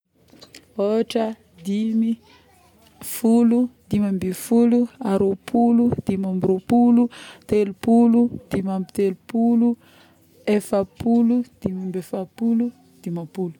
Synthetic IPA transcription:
oʈ͡ʂə | d̪imi | fulud̪imambifuluaɾopʰulud̪̥imambɾopulut̪elupulud̪̥imambit̪elupulu | efapulud̪̥imambefapulu | d̪̥imapulu̥

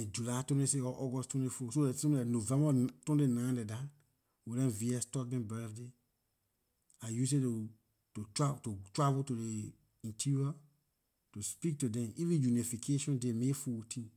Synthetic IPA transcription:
ẽd͡ʒulatwɛ̃neseɔʔɔɡɔsttwɛ̃ntifosodɛtsɔ̃m̃danovɛ̃mbatɔ̃ndenãdɛda | wiɾɛ̃nviɛstɔk̚dɛ̃bɛfde | ajus̬etu | tottotɹavutude | ĩntʰiɹia | tuspik̚tudɛ̃mivĩjunifikʰeʃɔ̃ndemefutʰĩn

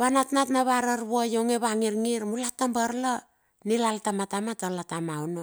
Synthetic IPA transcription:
βanatnatnaβaɾaɾβuajoŋeβaŋiɾŋiɾmulatambaɾla | nilaltamatamatalatamaono

